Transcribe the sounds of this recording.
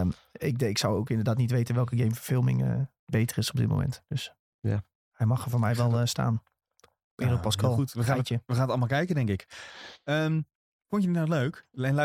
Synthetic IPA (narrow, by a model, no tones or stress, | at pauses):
mɪkɪksawowkɪndərdaːtnitʋejtənʋɛlˠkəɡejmfərfɪlˠmɪ̰ŋ̰ | bejtərɪsɔbdɪ̰tmo̰wmɛ̰ntd̥øs | a | hɛjmɑxəvoːmɛjʋɛlˠsta̰ːn | pɪrəpɔskʰɔtəajtjəʋəxaːnətɑlˠmalˠkɛjkədɛŋkɪk | əm | fonjənitnaløːkɛl